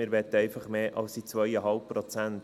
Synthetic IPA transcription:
ɪːɾʋɛt̪əɛɪfɑχmeːʔɑ̰lsit͡sʋœjəɦɑlp̚pːɾot͡sænt

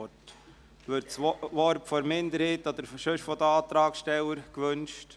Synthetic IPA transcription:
t | ʋʏɾtt͡sʋɔɾpfɔɾmɪnd̪əɾhiːt̪ɔd̪əɾʃøʃfɔd̪əɑːt̪ɾɑːkʃtɛwəɾkʋɵnʃt

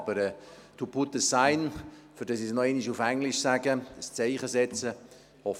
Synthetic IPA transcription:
bəɾɛ | t̪ʰuput̪əsaɪnfʏɾdɑsisnɔɛniʃufæŋliʃsæːɡəst͡seɪχəsɛt͡sə | hɔf

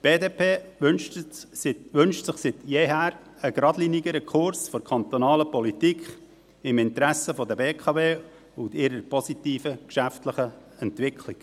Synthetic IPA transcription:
b̥eːdeːpʰeː | ʋʏnʃtsɪχsɪt̪jeːɦæːɾəɡɾɑdliniɡəɾəkʰχʊɾsfɔɾkʰɑnt̪ɔnɑːləpɔlitikχ | ɪmɪnt̪ɾæsəfɔd̪əbeːkʰɑveː | ʊndɪɾəɾpɔsit̪iːfəkʃæftləχəɛnt̪ʋɪkʰlɪɡ̥

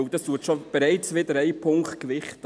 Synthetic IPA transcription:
wd̥ɑstuətʃob̥eɾɛɪt͡sʋɪd̪əɾæɪpʰʊŋkχtkʋɪχt

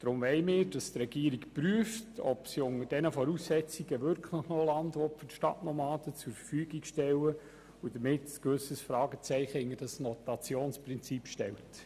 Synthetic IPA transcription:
d̥ɾʊmʋɛɪmɪːɾd̥ɑstɾɛɡiːɾikpryəftɔ̰psiʊŋəɾd̥ɛnəfɔɾussɛt͡siɡəʋʏɾkʰlɪχnolɑndʋɔtfʏtʃtɑ̰tnɔmɑːd̥ət͡sʊɾfəfyːɡikʃtɛlə | ud̥əmɪtskʋʏsəsfɾɑːɡət͡sɛɪχəɪŋədɑsnɔtɑt͡sjoːnspʁɪnt͡sipʃtɛ̰lt

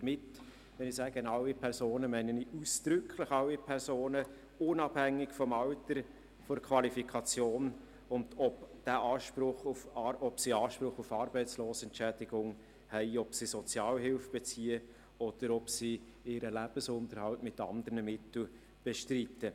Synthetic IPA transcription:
əmɪt | ʋɛnɪsæːɡənɑwːipʰɛɾsoːnəmɛɪnənɪusd̪̥ɾʏkʰləχɑwipʰɛɾsoːnə | ʊnɑbhæŋːɪkfɔmɑwtəɾ | fɔɾkʰʋɑlifikʰɑt͡sjoːn | ʊndɔpd̥æʔɑːʃpɾʊχufɑɔpsiɑːʃpɾʊχufɑɾbɛɪt͡sloːsɛntt͡ʃæːd̥ɪɡʊŋ | hɛɪɔpsisɔt͡sjɑːlɦɪlfb̥ɛt͡siːə | ɔd̥əɾɔpsi | ɪːɾəlæb̥əsʊnt̪əɾhɑltmɪtɑ̰nd̪əɾnəmɪtl̩ | b̥eʃtritːə

